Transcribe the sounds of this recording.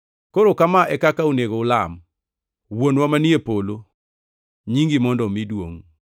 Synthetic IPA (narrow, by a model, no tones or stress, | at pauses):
koɾokamaʔɛkakauneɡoʊlam | wonwamaniepolo | ɲiŋɡimɔndɔmidwo̰ŋ